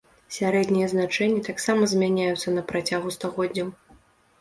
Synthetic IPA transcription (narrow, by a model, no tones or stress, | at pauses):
sʲaɾɛd̪nʲijɐznat͡ʂɛnʲːɐt̪aksamɐzʲmʲanʲajut̪sɐnɐpɾat͡sʲaɣust̪aɣɔdʲnʲɐw